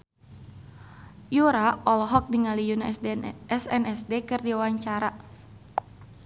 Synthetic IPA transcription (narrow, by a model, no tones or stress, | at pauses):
juɾaɔlɔɦɔk̚diŋalijunaɛsɛnɛsdekɨrdiuwaɲt͡ʃaɾa